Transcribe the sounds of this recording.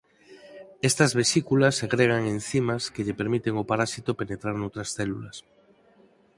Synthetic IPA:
est̪azβesikulasːeɣɾeɣ̞aŋẽn̟θimaskeʎepeɾmit̪eŋopaɾasit̪openet̪ɾaɾnowt̪ɾasθelulas

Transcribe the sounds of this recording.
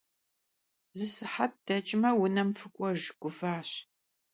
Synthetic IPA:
zɨsɨħab̚d̥ɐt͡ʃʼɪmɐwʊnɐmfɨkʷʼɔʒɡʷʊfaːɕ

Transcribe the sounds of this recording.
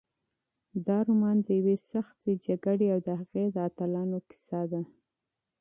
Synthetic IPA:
d̪ɑɾʊmɑnd̪əjawesaxt̪ed͡ʒaɡaɽeawd̪əhaɣed̪əat̪alɑnokɪ̥sɑd̪a

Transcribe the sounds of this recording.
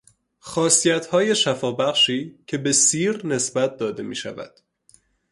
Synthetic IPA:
xɒːsijæt̪ʰhɒːje̞ʃæfɒːbæɣʃiːcʰe̞be̞siːɾne̞sbæt̪̚ʰd̪ɒːd̪e̞miːʃæ̰væ̰d̪̥

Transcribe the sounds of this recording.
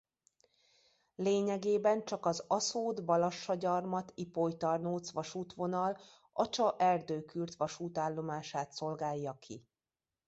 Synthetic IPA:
leːɲɛɡeːbɛnt͡ʃɒkɒzɒsoːd̪bɒlɒʃːɒɟɒrmɒt̪ipojt̪ɒrnoːt̪sʋɒʃuːt̪ʋo̞nɒl | ʔɒt͡ʃɒʔɛrd̪øːkyrzʋɒʃuːt̪aːlːo̞maːʃaːt̪so̞lɡaːjːɒkʰḭ

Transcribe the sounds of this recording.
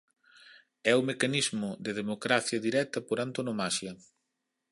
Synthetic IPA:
ɛʊmekanizmʊd̪ɪð̞emokɾaθjɐðiɾɛt̪ɐpoɾant̪onomaʃjɐ

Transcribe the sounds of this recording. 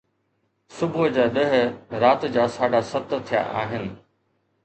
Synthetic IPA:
sʊbʱʊd͡ʑaːɗəɦɾaːt̪d͡ʑaːsaːɖasɐt̪t̪ʰija̰ʔa̰ːɦɪnɪ̆

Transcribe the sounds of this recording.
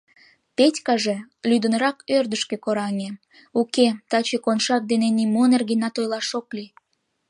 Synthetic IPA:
petʲkɑʒe̽lyd̪ə̆nɾɑkørd̪əʃkĕkoɾɑŋʲe | uket̪ɑt͡ɕekonʃɑk̚d̪enenimonerɣenɑt̪ojlɑʃokli

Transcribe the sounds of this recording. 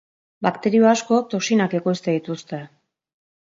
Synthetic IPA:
bakt̪e̞ɾio̞asko̞t̪o̞ksinake̞ko̞jst̪e̞ðit̪ust̪e̞

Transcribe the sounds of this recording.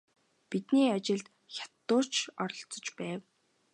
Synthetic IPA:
pit̪niːat͡ɕɪ̆ɮt̪ | xʲḁt̪ːʊːt͡ɕɔɾɞ̆ɬt͡sɞ̆t͡ɕpæːw

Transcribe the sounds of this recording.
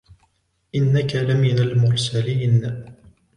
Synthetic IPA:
ʔɪnːakalamɪnalmʊɾsaliːn

